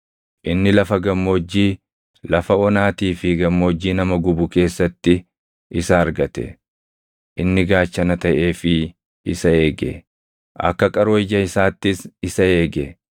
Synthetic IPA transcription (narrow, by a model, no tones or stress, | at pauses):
ʔɪnːɪlɐfɐɡɐmːo̞ːd͡ʒːiː | lɐfɐɔnaːt̪iːfɪɡɐmːo̞ːd͡ʒːiːnɐmɐɡʊbʊke̞ːsːɐt̪ːɪ | ʔɪsɐɐɾɡɐt̪ɛ̰ | ʔɪnːɪɡaːt͡ʃːɐnɐt̪ɐʔe̞ːfɪ | ɪsɐe̞ːɡɛ̰ | ʔɐ̰kːɐkʼɐɾɪd͡ʒɐɪsaːt̪ːɪsɪsɐe̞ːɡɛ